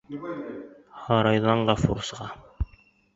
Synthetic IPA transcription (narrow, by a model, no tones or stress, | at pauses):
hɑɾɑjðɑɴɢɑfṵɾsʁɑ